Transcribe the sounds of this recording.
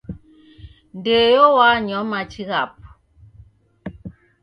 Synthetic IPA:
ndejɔwaɲɔmat͡ʃiɣap̚

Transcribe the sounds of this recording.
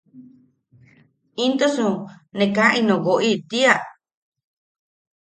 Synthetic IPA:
ĩnd̪osũnẽkãʔĩnõɣoʔit̪ia

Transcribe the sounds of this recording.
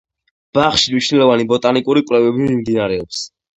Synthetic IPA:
b̥aχʃiniʃnɛlˠɔvanibɔt̪ʼanikʼuɾikʼlɛvɛbimimd̪inaɾɛɔps

